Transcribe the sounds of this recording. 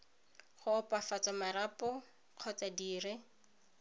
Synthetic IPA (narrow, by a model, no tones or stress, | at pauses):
χʊpafat͡samaɾapɔ | q͡χʰɔt͡sadiːrɪ